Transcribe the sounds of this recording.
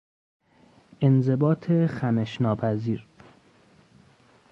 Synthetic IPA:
ʔe̞nze̞bɒːt̪ʰexæmeʃnɒːpʰæziːɾ

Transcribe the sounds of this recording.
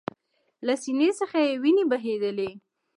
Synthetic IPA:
lasinesəxajewinebaɦed̪əle

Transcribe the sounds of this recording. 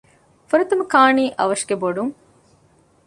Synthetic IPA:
fuɾɐt̪umukaːniːʔɐ̰ʋɐʃɡeboɖuŋ

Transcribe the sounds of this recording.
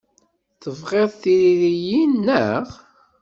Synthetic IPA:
θəvʁeðˤθiɾiɾijinːəʁ

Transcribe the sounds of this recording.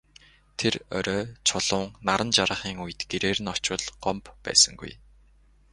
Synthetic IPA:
t̪ʰerɔ̰ɾœːt͡ɕʰʊɮ̥ʊːŋnaɾə̆nt͡ɕaɾə̆χiːŋujɘ̆t̪ɡ̥eɾeːɾɘ̆nɔt͡ɕə̆ɮɢ̥ɔmppæ̰ːsə̆ŋɡṵj

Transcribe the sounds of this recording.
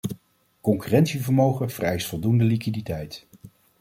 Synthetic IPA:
kɔŋkyrɛntsivəɹmowχəv̥ərɛjstfɔlˠdundəlikiditɛjt

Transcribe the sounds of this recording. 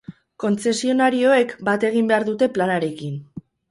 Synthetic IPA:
ko̞nt͡se̞sio̞naɾio̞e̞kbat̪e̞ɣ̞imbe̞aɾðut̪e̞planaɾe̞kin

